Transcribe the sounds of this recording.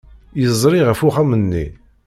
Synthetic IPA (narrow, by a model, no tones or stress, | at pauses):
jəzˤɾˤiʁəfuχæmənːḭ